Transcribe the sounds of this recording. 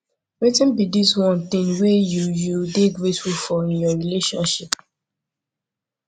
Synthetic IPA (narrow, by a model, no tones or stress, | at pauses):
lɛtĩnbidiswɔ̃nt̪ĩnwejujudeɡɹetfulfɔĩnjɔɹileʃɔ̰̃nʃip